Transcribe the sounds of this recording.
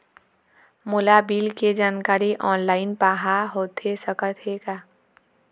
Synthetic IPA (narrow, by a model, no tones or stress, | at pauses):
mʊlabiːlked͡ʒaːnkaːɾiʔɔːnlaːɪnpaːɦaɦoːt̪esəkət̪ɦekaː